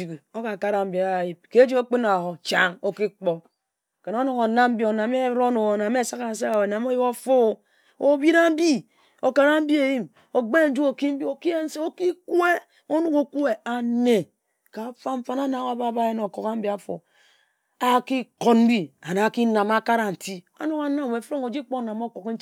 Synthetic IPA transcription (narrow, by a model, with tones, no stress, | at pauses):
i˨ki˨o˦ka˨ka˦ɾa˨m̩˦bi˨a˨ji˦b̚ke˦d͡ʒi˦ko˦k͡pi˦na˨ɦo˨t͡ʃa˦ŋo˦ki˦k͡po˦ | ke˨no˦no˨ko˨na˦m̩˦bi˦o˨na˨m˦e˦ɾo˦no˨na˨m˦e˦sa˦ka˨n̩˦s̬a˦a˨we˨na˨m˦o˦ji˦o˦fo˦˨ | o˨˦bi˦ɾa˦m̩˦bi˦ | o˨ka˦ɾa˦m̩˦bi˦e˨ji˦m | o˨ɡ͡be˦˨n̩˦d͡ʒu˦o˨ki˦m̩˦bi˦o˨ki˦e˦n̩˦se˦o˦ki˦ku˦e˦ | o˦nu˦ko˨ku˦e˨a˨ne˨ | ka˨˦fa˦mɱ̩˦fa˦na˦na˨˦a˦˨ba˦˨ba˦je˦no˨ko˨ka˦m̩˦bi˦a˦fo̰˨ | a˦ki˦ko˨tm̩˦bi˦a˨na˨ki˦na˨ma˦ka˦ɾa˨n̩˨ti˦o̰˦no˦ka˨˦na˦m˨we˨fɾo˦ŋo˨d͡ʒi˦k͡po˦na˨mo˦ko˨kn̩˦